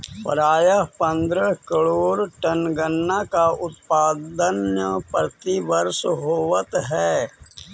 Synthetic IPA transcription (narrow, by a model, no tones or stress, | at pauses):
pə̰ɾaːjəɦpə̃nd̪ɾəkəɭoːɾʈənɡənːakaʊt̪paːd̪ənjəpəɾt̪iʋəɾsɦoːʋət̪ɦɛː